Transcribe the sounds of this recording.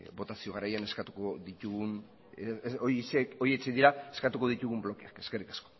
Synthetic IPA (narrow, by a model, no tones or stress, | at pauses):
bo̞t̪asio̞ɣ̞aɾajane̞skat̪u̥koðit̪uɣun | oseo̞ɾie̞t͡seðiɾaeskat̪uko̞ðit̪uɣumblo̞keake̞ske̞rikasko̞̥